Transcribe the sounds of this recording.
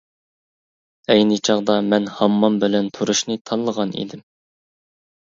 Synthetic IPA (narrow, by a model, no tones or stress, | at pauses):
ɛjnɨt͡ʃʰɑʁd̪ɑmɛnhɑmːɑmbɪlɛnt̪ʰuɾuʃnɨt̪ʰɑnlːˠəʁɑnḭd̪ɪm